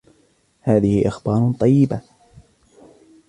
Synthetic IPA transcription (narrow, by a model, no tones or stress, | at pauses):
haːðɪhɪʔɪxbɑːɾˤt̪ˤɑjːɪba